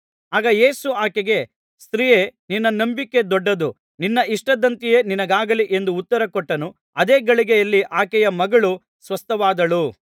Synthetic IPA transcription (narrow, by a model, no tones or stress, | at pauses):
aːɡɐje̞ːsuaːkɛɡe̞ | st̪ɾijeninːɐnɐmbikːe̞d̪ɔɖːɐd̪u | ninːɐʔiʂʈɐd̪ɐnt̪ije̞ːninɐɡaːɡɐliʔe̞nd̪uːt̪ːɐɾɐkɔʈːɐnu | ɐd̪eːɡɐɭiɡɛjɐlːiʔaːkɛjɐmɐɡɐɭu | sʋɐst̪ʰɐʋaːd̪ɐɭu